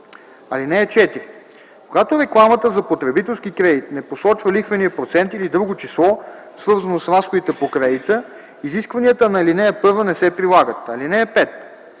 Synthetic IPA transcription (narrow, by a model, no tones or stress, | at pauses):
ɐlinɛːt͡ʃɛt̪iɾi | koɡat̪oɾɛklˠamət̪əzɐpot̪ɾɛbit̪ɛlˠsk̟ikɾɛd̪it̪nɛposɔt͡ʃvəlixvɐniəpɾot̪sɛnt̪ilid̪ɾuɡot͡ʃislˠɔsvɤɾzɐnosɾasxod̪it̪ɛpokɾɛd̪it̪ə | iziskvɐniət̪ənɐlinɛːpɤɾvənɛsɛpɾilˠaɡət̪ɐlinɛːpɛt̪